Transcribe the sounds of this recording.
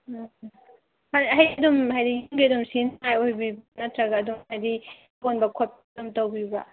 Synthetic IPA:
haɦajdumɦajdijŋɡiɐdumsinajojbibnɐtɾɐɡɐːdumhajdi | bonbɐkʰop̚ | dumtowbibɐ̰

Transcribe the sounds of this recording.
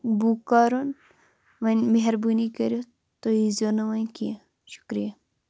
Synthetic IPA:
buːkaːɾon | ʋɐnmeɦɐɾbunikɐɾjo | t̪oizoːnɐʋɐnkijã | ʃu̥kɾija

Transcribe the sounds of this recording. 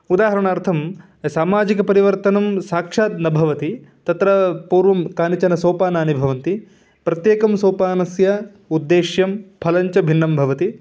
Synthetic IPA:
ud̪aːɦɐɾɐɳaːɾt̪ʰɐm | saːmaːd͡ʒikɐpɐɾiʋɐɾt̪ɐnɐmsaːkʂaːt̪nɐbʱɐʋɐt̪it̪ɐt̪ɾɐpuːɾʋɐmkaːnit͡ʃɐnɐsoːpaːnaːnibʱɐʋɐnt̪i | pɾɐt̪jeːkɐmsoːpaːnɐsjɐ | ud̪ːeːʃjɐmpʰɐlɐɲt͡ʃɐbʱinːɐmbʱɐʋɐt̪i

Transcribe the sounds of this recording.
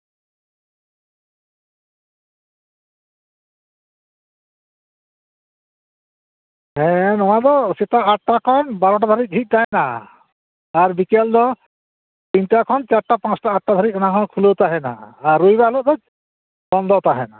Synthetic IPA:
ɦɛ̃nɔwãd̪ɔsit̪aaʈʈakʰɔnbaɾɔʈ̬ad̪ʱaɾic̪̚ˀɖʱik̚t̪aɦɛnaː | ɾbikɛld̪ɔ | t̪inʈakʰɔnt͡ʃaɾʈapãt͡ʃʈaːʈ̚ʈad̪ʱaɾic̪̚ɔnakʰɔnkʰulot̪aɦɛna̰ːɾːujbaɦlɔʔd̪ɔd͡ʒ | bɔnd̪ɔt̪aɦɛna

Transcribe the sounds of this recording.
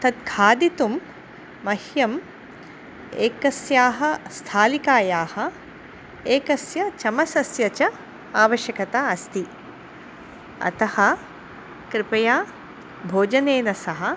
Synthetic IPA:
t̪ɐt̪̚kʰaːd̪it̪umː | ɐhjɐm | eːkɐsjaːɦɐ̆st̪ʰaːlikaːjaːhɐ̆ | eːkɐsjɐt͡ʃɐmɐsɐsjɐt͡ʃɐ | aːʋɐʃjɐkɐt̪aːɐst̪i | ɐ̰t̪ɐhɐ̆ | kɾɪpɐjaː | bʱoːd͡ʒɐneːnɐsɐɦɐ̆

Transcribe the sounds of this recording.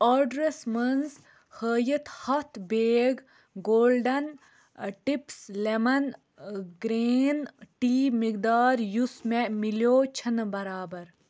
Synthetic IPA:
ɔɖɾesmɐnz | həːjət̪ʰhɐt̪ʰbeːɡ | ɡoːlɖɐn | ʈipslemɐn | ɡɾeːnʈiːmikd̪aːɾjusmemiljoːt͡ʃʰɐnbɐɾaːbɐɾ

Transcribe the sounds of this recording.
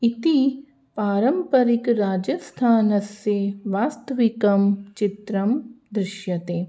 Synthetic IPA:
it̪i | paːɾɐmpɐɾikɾaːd͡ʒɐst̪ʰaːnɐseʋaːst̪ʰɐʋikɐmt͡ʃit̪ɾɐmd̪ɾɪʃjɐt̪eː

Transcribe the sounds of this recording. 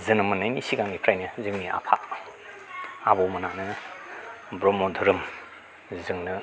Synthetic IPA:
zɯnɐmɐnːajnisiɡaŋipʰɾajnɯzɯŋnia̰pʰa | abɔwmɐnanɯ | bɾɔmɔdʱuɾɯm | zɯŋnɯ

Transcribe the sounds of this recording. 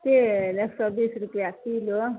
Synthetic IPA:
t̪eneksɔbisɾupjakilo

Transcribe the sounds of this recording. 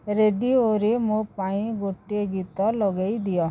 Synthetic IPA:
ɾeːɖioːɾemoːpaːĩboːʈeɡit̪alɔɡaːid̪ɪjaː

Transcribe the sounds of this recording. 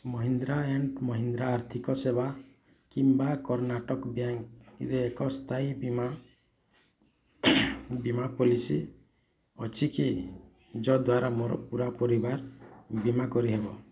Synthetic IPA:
mɔɦind̪ɾaeɳʈmɔɦind̪ɾaːɾt̪ʰikɔsebakimbakɔɾnaʈɔkbjaŋɾeːkɔst̪ʰaibima | bimapɔlisi | ɔt͡ʃʰiki | d͡ʒɔd̪waɾamɔɾɔ̰puɾapɔɾibaɾbimakɔɾiɦebɔ

